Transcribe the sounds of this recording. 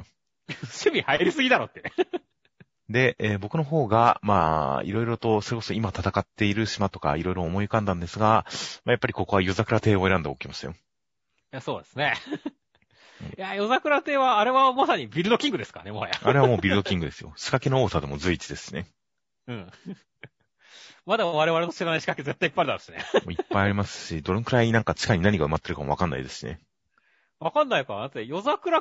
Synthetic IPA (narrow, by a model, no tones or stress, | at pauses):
ɕɨbʲihaiɾʲisɨɡʲid̪aɾot̪ːe | d̪e̞eːbo̞kɯ̟no̞ɦo̞ːɡamaḭɾo̞iɾo̞t̪o̞so̞ɾekoso̞imat̪at̪akat̪ːe̞iɾɯ̟ɕimat̪o̞ka̰iɾo̞iɾo̞ːmo̞iɯkãnd̪ãnd̪e̞sɨɡamajapːaɾʲiko̞ko̞ajo̞zakɯ̟ɾat̪e̞ːo̞e̞ɾãnd̪aokʲimaɕi̥a̰jo | jaso̞ːd̪esɨne̞ | ɯ̰̃ɴjajo̞zakɯ̟ɾat̪e̞ːβaːɾe̞βamasaɲ̟ibʲiɾɯ̟d̪o̞kʲĩŋɡɯ̟d̪e̞sɨ̥kaɾanemaajaaɾe̞β̞amoːbʲiɾɯ̟d̪o̞kʲĩŋɡɯ̟d̪e̞sɨjo̰ɕi̥kakenooːsad̪e̞mo̞zɨit͡ɕid̪e̞sɨ̥ɕine̞ | ɯ̟̃ɴ | mad̪aβaɾe̞βaɾeno̞ɕiɾanaiɕi̥kakezet̪ːaipːaɾid̪at̪oɕinemo̞ːipːajaɾʲimasɨ̥ɕid̪o̞ɾɯŋkɯ̟ɾaiɲinãŋkat͡ɕi̥kaɲ̟inaɲ̟ikaɯ̟mat̪ːe̞ɾɯ̟kamo̞βakãnːa̰ḭd̪e̞sɨ̥ɕinḛ | βakãnːaikanãt͡sejo̞zakɯ̟ɾa